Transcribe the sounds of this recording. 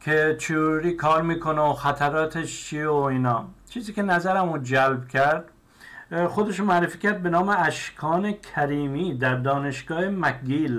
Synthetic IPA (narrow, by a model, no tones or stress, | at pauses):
kʲʰet͡ʃʰeoɾiːkʰɒːɾmiːkʰoneoxæt̪ʰæɾɒːt̪ʰeʃt͡ʃʰieoiːnɒːt͡ʃʰiːziːkʲʰe̞næzæɾæmud͡ʒælbkʲʰæɾd̪̥ | xod̪eʃomæɾefiːcʰæɾd̪̚be̞nɒːmeæʃkʰɒːne̞kʲʰæɾiːmiːd̪æɾd̪ɒːne̞ʃɡɒːhemækɡil